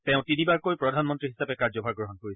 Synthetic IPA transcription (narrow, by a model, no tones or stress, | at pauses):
tɛ̃ʊ̃tinibaɹkojpɹɔdʱanmɔntɹiɦisapɛkaɹzɔbʱaɹɡɹɔɦɔnkoɹisɛ̥